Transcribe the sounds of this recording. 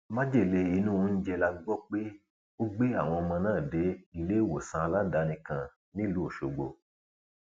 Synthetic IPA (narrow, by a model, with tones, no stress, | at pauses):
mã˦d͡ʒe˦˨le˧i˧˦nũ˦n̩˦d͡ʒɛ˧la˧˦ɡ͡bɔ˦k͡pe˦ | o˦ɡ͡be˦a˦˨w̃ɔ̃˧ɔ˧mã˧nãː˦˨de˨˦i˨le˦i˦˨wo˨sã˧a˧la˦da˧˦nĩ˧kã˧ | nĩ˦lu˨˦o˦˨ʃo˨ɡ͡bo̰˨˧